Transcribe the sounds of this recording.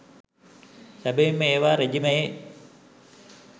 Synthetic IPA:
sæbeimːəeːʋaːɾed͡ʒimɐje

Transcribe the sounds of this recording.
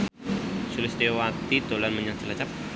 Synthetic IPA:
sulɪsd̪ewat̪id̪olanməɲaŋt͡ʃəlat͡ʃap̚

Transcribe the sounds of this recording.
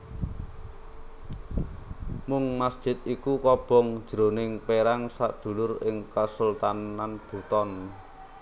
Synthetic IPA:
mʊŋmasd̥ʒ̥ɪ̤t̪̚ikukɔb̥ɔ̤ŋ̥ʒ̥ɾo̤nɪŋpeɾaŋsa̰ʔd̪̥ṳlʊrɪŋkəsult̪ananb̥ṳt̪ɔn

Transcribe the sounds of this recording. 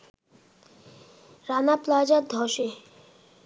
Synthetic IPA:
ɾanaplaːd͡ʒad̪ʱɔʃe

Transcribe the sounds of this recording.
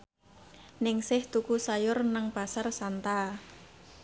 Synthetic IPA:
nɪŋsɪht̪ukusajʊrnaŋpasarsant̪a

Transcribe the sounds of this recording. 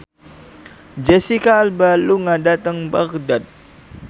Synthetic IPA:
d͡ʒɛsikaːlbaluŋadat̪əŋbaɣdat̪̚

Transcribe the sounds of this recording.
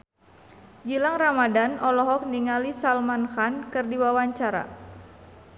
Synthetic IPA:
d͡ʒilaŋramadanʔɔlɔɦɔk̚niŋalisalmanxankɨrdiwawaɲt͡ʃaɾa̰

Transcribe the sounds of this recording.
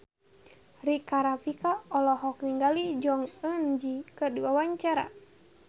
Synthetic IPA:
rikaɾapikaɔlɔɦɔk̚niŋɡalid͡ʒɔŋənd͡ʒikədiwawaɲt͡ʃaɾa̰

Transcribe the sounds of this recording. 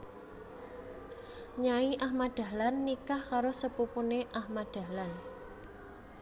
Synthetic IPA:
ɲaiʔahmad̪̥ä̤lanːikahkaɾosəpupuneʔahmad̪̥a̤lan

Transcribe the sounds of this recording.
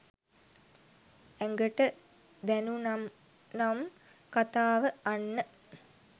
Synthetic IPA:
æŋɡəʈə | d̪ænunam | nam | kat̪aːʋəanːə

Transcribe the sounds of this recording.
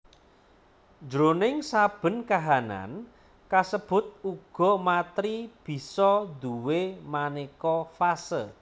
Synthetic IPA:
d͡ʒɾonɪŋsab̥ə̤nkaɦana̰n | kasəb̥ʊ̤t̪̚uɡ̥ɔ̤mat̪ɾib̥i̤sɔd̪uwemanekɔfasə

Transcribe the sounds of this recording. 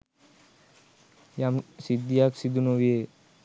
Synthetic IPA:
jamsid̪ːijaksid̪unoʋie

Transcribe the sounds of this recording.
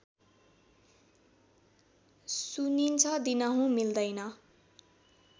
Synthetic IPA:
sunint͡sʰʌd̪inʌɦũmild̪ʌjnʌ

